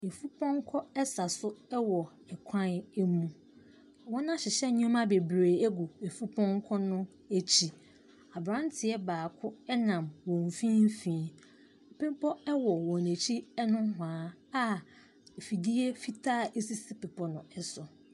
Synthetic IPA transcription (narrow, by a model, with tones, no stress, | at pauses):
e˨fu˦pʰɔ̃˦ŋ˦kʰɔ˦ɛ˦sa˨sʊ˦ɛ˦wɔ˨ | ɛ˨kʷʰã˦nɛ˦mũ˨ | wɔ̃˦nã˦ɕɪ˨ɕɛ˦ɲ˦ɔ̃˦mã˦be˨bɾeː˨ɛ˦ɡʊ˨e˨fu˦pʰɔ̃˦ŋ˦kʰɔ˦nʊ̃˦ | æ˦t͡ɕʰi˦ | a˨bɾã˦n˦tʰɪ˨ɛ˦baː˨kʰʊ˦ɛ˦nã˨mwɔ̃˨ɱ˨fĩ˦m˦fĩː˦ | ɛ˨pẽ˦m˦pʰɔ˦ɛ˦wɔ˨wɔ̃˨ne˨t͡ɕʰi˦ɛ˦nʊ̃˦ɦʊ˨ãː˨˦a˦ | e˨fi˨di˦e˦fi˦tʰaː˦˨ʔe˦si˦si˦pɪ˨pʰɔ˨nʊ̃˨ɛ˦sʊ˨